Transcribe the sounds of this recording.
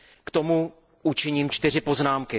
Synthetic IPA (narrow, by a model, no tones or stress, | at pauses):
kt̪o̞mu | ʔut͡ʃɪɲiːmt͡ʃt̪ɪr̝ɪpo̞znaːmkɪ